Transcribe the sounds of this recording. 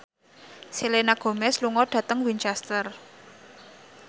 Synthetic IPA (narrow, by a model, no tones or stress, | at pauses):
silenaɡ̥o̤mɛsluŋɔɖ̥ä̤t̪əŋwint͡ʃɛst̪ər